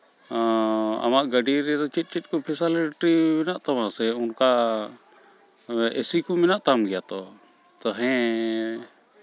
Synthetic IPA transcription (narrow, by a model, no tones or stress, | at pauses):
a̰maʔɡəɖiɾɛd̪ɔt͡ʃit̪̚ˀt͡ʃit̪̚ˀkɔpʰɛsaleʈɾimɛnaʔt̪amãsɛunka | esikumɛnaʔt̪amɡɛjat̪ɔ | t̪ɔɦɛ̃